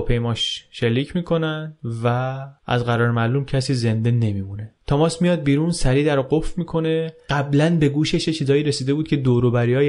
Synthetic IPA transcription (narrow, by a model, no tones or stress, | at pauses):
pʰe̞jmɒːʃʃe̞lːiːcʰmiːkʰo̞nænd̪væʔæ̰zɢæɾɒːɾmæluːmcʰæsiːze̞nd̪e̞ne̞miːmunet̪ʰæmɒːsmijɒːd̪̚biːɾunsæɾiːd̪æɾɔɡofmiːkʰo̞ne̞ɢæblænbe̞ɡuːʃeʃjet͡ʃʰiːzɒːjiːɾe̞siːd̪e̞buːd̪̚cʰʲe̞d̪oːɾobæɾiɒː